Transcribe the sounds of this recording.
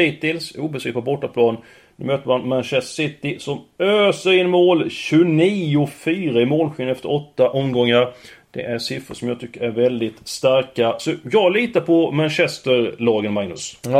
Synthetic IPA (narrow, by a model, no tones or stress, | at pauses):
iːt̪ɪlsuːbəsiːɡk̚pʰɔbɔʈːapʰlɑːn | nʉ̰ːmøːt̪əmanmanɕɛssɪt̪ɪsɔmøːsəɾɪnmoːlɕɵniːʊfyːɾaɪmoːlɧiːnɛft̪əɾɔt̪ːaʔɔmɡɔŋːaɾd̪̥ɛ̰ʔæɾʂɪfəʂɔmjɑt̪ʰʏkːəɾæɾvɛld̪ɪt̪st̪aɾkasɔjɑːɡliːt̪apʰɔmanɕɛst̪əɾlɑːɡənmaŋnɵ̰s